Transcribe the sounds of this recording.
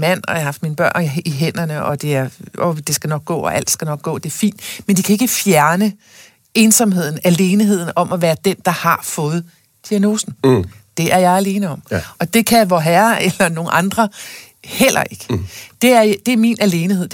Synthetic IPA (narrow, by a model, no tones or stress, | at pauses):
mæn̰ɒjahɑ̈fd̥minəb̥ɶɐ̰niɦen̰ɐnəʔɒ̽d̥e̝æɐod̥e̝sɡ̥ænɒ̽ɡ̥̚ɡ̥ɔ̰̽ːɒ̽ʔæl̰d̥sɡ̥ænɒ̽ɡ̥̚ɡ̥ɔ̰̽ːd̥e̝æɐfḭːnd̥mend̥ikʰæe̝ɡ̥əfjæɐnə | e̝ːnsɒ̽mɦe̝ð̞̰ˠn̩æle̝ːniɦe̝ð̞̰ˠn̩ɒ̽mæʋæːɐd̥end̥ɑ̈hɑ̈fɔ̽ːð̞̩ˠ | d̥iæno̝ːsn̩d̥e̝ʔæɐjɑ̈ɪæle̝ːnəɒ̽mɒ̽d̥e̝kʰæʋɒɦæːɐelɐno̝ːn̩ʔɑ̈nd̥ʁɐ | hel̰ʔɐ̰ʔe̝ɡ̥əd̥e̝æɐd̥e̝æɐminæle̝ːnihe̝ð̞̰ˠ